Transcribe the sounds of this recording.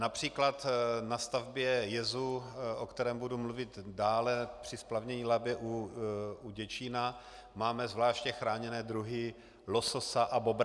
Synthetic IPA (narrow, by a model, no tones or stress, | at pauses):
napr̥iːklat̪nast̪avbjɛjɛzuʔokt̪ɛɾɛːmbudumluvɪt̪daːlɛpr̥ɪsplavɲɛɲiːlabjɛʔu | uɟɛt͡ʃina | maːmɛzvlaːʃcɛxɾaːɲɛnɛːd̪ɾuɦɪ | lo̞sosaʔabobɾ